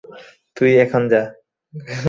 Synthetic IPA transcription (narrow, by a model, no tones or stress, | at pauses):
t̪ujɛkʰond͡ʑa